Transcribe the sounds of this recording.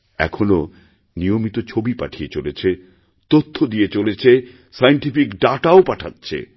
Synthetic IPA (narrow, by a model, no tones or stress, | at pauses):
ɛ̰kʰono | nijomit̪ot͡ɕʰobipa̰ʈʰijet͡ɕolet͡ɕʰe | t̪ot̪ʰːod̪ijet͡ɕolet͡ɕʰe | sajeɳʈifikɖaʈaopaʈʰatːɕʰḛ